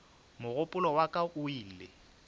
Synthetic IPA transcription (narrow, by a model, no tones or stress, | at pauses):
mʊɣʊpʼʊlɔwakʼaʔʊiːlɪ